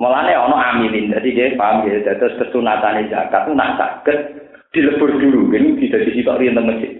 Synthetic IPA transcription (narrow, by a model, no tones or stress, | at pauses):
məlaneɔnɔʔamilind̪ad̪ikepaamked̪at̪ʊst̪əsunat̪aned͡ʒa̰kat̪̚una̰ʔsa̰ɡ̥ət̪̚ | d̪̥i̤ləb̥ə̤rd̪̥uɾukɪnd̪̥i̤d̪̥a̤d̪̥isit̪aʔriənt̪əməsɪ